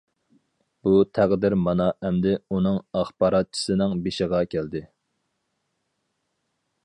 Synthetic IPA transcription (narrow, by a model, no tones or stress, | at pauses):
b̥ut̪ʰæʁd̪ɪɾmɑnɑʔɛmd̪ɪunɨŋɑχbɑɾɑt̪̚t͡ʃʰi̥sɨnɪŋbeʃɪʁɑkʲʰæld̪ɪ